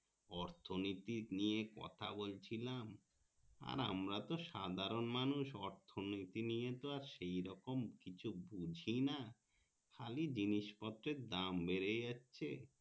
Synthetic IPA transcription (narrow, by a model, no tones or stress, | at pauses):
ɔɾt̪ʰonit̪iniekɔ̰t̪ʰa̰bolt͡ɕʰilam | a̰ɾa̰mɾat̪oʃad̪ʱaɾonmanuʃɔɾt̪ʰonot̪inijet̪oaɾʃejɾɔkomkit͡ɕʰubud͡ʑʱina | kʰalid͡ʑiniʃpɔt̪ːɾeɾd̪ambeɾejatːɕʰḛ